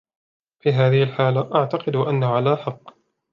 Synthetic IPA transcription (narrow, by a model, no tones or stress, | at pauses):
fiːɦaːðɪhɪlħaːlaʔaʕt̪aqɨd̪ʔanːahʊʕalaːħɑqː